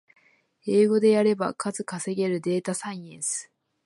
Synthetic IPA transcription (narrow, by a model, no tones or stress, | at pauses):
e̞ːɡo̞d̪e̞jaɾe̞ba̰kʰazɨkase̞ɡe̞ɾɯ̟d̪e̞ːt̪asãĩẽsɨ̥